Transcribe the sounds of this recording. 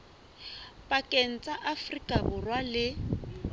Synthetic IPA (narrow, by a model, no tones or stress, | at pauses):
pʼakʼen̩t͡sʼaʔafrikʼabʊrwalɪ